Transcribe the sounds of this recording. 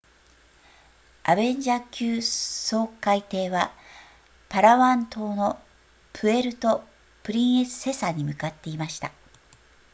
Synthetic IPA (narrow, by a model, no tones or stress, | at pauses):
a̰bẽ̞ɲ̟d͡ʑakʲɨːso̞ːkːait̪e̞ːβa | paɾaβãnt̪o̞ːno̞ | pʰɯ̟e̞ɾɯ̟t̪o̞ | pɯ̟ɾʲĩɰ̃e̞sɨ̥se̞saɲ̟imɯ̟kat̪ːe̞imaɕi̥t̪a